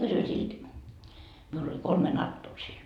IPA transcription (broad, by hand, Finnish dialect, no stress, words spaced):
kysyi silt miul olʲ kolme nɑtːoː siːn